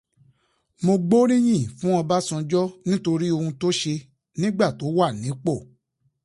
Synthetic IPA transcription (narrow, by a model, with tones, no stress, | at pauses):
mo˧ɡ͡bo˦ɾĩ˦j̃ĩ˦˨fũ˦ɔ̃˧ba˦sɔ̃˧d͡ʒɔ˦nĩ˦to˧ɾi˦o˧hũ˧to˦ʃe˧ | nĩ˦ɡ͡ba˦˨to˨˦wa˦˨nĩ˨˦k͡po˦˨